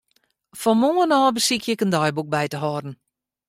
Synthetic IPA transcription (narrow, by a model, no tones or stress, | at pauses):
fɔnmoːənɔːbəsikʰjəkəndɔjbuk̚bɛjtəɦɔːdn̩